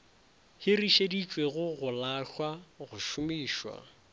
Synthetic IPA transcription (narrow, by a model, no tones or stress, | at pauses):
hɪriʃedit͡ʃʼweɣʊɣʊlaɬwaɣʊʃʊmiːʃwa̰